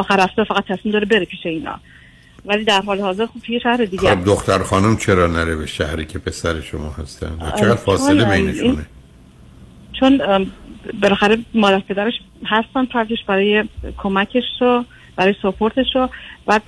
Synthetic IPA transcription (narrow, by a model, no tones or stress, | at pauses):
ɒːxæɾæft̪ɒːfæɣæt̪ʰːæsmimd̪ɒːɾebe̞ɾepʰiːʃeiːnɒ̰ː | væliːd̪æɾɦɒːlehɒːze̞ɾxob̚t̪ʰujeʃæhɾed̪iːɡd̪oxt̪æɾχɒːnumt͡ʃʰeɾɒːnæɾebeʃæhɾiːcʲʰepʰe̞sæɾeʃo̰mɒːhæst̪æ̰nd̪væ̰t͡ʃeɣæd̪fɒːsnlebejneʃiune | t͡ʃʰon | belæxæɾemɒːd̪æɾpʰe̞d̪æɾeʃ | hæst̪ænd̪pʰɾd͡ʒeʃbæɾɒːjekʰo̞mæcʰe̞ʃɾo | b̥æɾɒːjsopʰoɾt̪ʰe̞ʃɾob̥æːd̪̥̚